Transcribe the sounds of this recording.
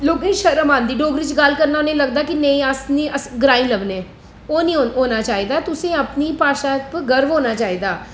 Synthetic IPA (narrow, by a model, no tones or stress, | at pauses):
loːɡẽːʃəɾəmãːnd̪iːɖoːɡɾiːt͡ʃɡəlkəɾnaːonẽːləɡd̪aːkɪneĩːasniːʔəsɡɾaːɪ̃nləʋnẽː | oːnĩːɦoːnaːt͡ʃaːiːd̪aːɛt̪ʊsẽːəpniːpaːʃaːpɡəɾʋɦoːnaːt͡ʃaːiːd̪aː